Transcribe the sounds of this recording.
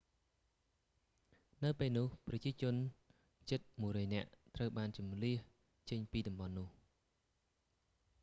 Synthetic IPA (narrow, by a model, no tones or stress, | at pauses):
nɨwpeːlnʊːhprɑt͡ɕiət͡ɕʊ̆ən | t͡ɕət̪̚muəjrɔːjnɛ̆əʔt̪rəwɓaːnt͡ɕɑmliəh | t͡ɕəɲpiːɗɑmɓɑnːʊ̆əh